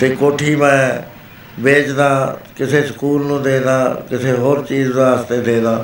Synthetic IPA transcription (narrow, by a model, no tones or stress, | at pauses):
t̪eːkoːʈʰiːmɛ̃ː | beːd͡ʒd̪aːkɪseːsə̥kuːlnũːd̪eːd̪aːkɪsʰeːɦoːɾt͡ʃiːzd̪aːəst̪eːd̪eːd̪aː